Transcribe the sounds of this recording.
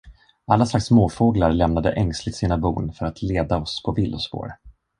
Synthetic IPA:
ʔalːaslaksmoːfoːɡlaɾlɛmnad̪ə̰ʔɛŋslɪt̪siːnabṵːnfœɾat̪ʰleːd̪aɔspʰɔvɪlːʊspo̰ːɾ

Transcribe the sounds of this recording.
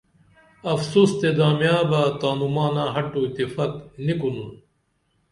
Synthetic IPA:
ɐfsuːst̪ed̪aːmjaːbaːt̪aːnumaːnãːɦɐʈːuit̪ːifaːknikunu

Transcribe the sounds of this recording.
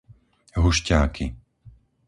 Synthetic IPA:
ɦuʃcaːkʰi

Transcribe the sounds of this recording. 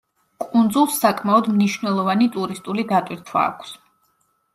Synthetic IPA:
kʼund̪zulˠsːakʼmaɔd̪mniʃvnɛlˠɔvanit̪ʼuɾist̪ʼulid̪at̪ʼwiɾt̪ʰwa̰ːkʷʰs

